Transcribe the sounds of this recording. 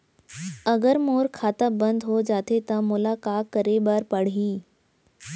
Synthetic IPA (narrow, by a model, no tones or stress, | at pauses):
ɐɡəɾmoːɾkʰaːt̪abɐ̃nd̪ɦod͡ʒaːt̪ʰet̪ɐmʊlaːkaːkɐɾebaɾpɐɽ̤iː